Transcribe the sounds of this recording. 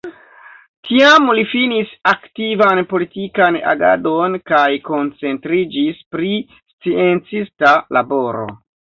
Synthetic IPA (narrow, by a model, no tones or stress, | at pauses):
tʰiamlifinisaktivanpo̞litikana̰ɡa̰do̞nkajko̞nt͡se̞ntɾid͡ʒispɾi | st͡sie̞nt͡sistalabo̞ɾo̞̰